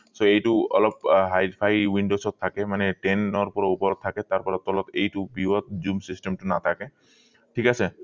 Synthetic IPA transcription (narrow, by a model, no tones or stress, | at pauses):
soejʈuɔ̰lɔp̚ɦajpʰajwiɳɖosɔt̪ʰːakɛmanɛʈenɔɹpɔɹɔupɔɾɔt̪̚ʰːakɛt̪aɹpɔɹɔt̪ɔlɔt̪ejtubiɦɔt̪̚zumsisʈemʈuna̰t̪ʰake | ʈʰikase